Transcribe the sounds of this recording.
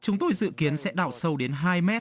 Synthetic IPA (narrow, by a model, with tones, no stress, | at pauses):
t͡ɕʊ˨˦ŋ͡mt̪o˧jzɨ̰˧˨ki˨˦ənsɛ̰˧˥ɗaː˧˩wsə˧wɗe˨˦nɦaː˧jmɛ˦˥t̚